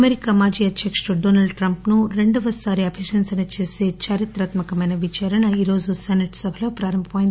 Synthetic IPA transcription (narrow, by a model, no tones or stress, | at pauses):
ɐmeɾikaːmaːd͡ʒiːɐd̪ʱjɐkʂuɖoːnɐlɖʈɾɐmpnuɾe̞ɳɖɐʋɐsaːɾiɐbʱiʃɐnsɐnɐt͡ʃe̞ːseːt͡ʃaːɾjɐt̪ɾaːt̪mɐkɐmɐjnɐʋit͡ʃaːɾɐɳɐiːɾo̞ːd͡ʒusenɐʈsɐbʱɐlo̞ːpɾaːɾɐmbʱɐmːjind̪i